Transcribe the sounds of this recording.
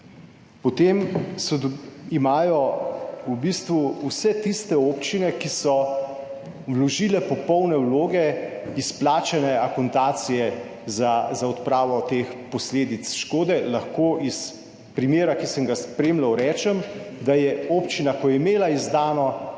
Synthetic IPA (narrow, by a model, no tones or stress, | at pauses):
pɔt̪eːmsɔd̪imaːjɔubist̪ʋuusɛt̪ist̪ɛopt͡ʃinɛkisɔ | wlɔʒiːlɛpɔpɔwnɛwloːɡɛisplaːt͡ʃɛnɛakɔnt̪aːt̪sijɛ | zazaɔt̪pɾaːʋɔt̪expɔsleːd̪it̪sʃkoːd̪ɛlɐxkoːʔis | pɾimjeːɾakisəŋɡaspɾeːmlawɾɛːt͡ʃɛmd̪ajɛopt͡ʃinakɔjɛimeːlaizd̪aːnɔ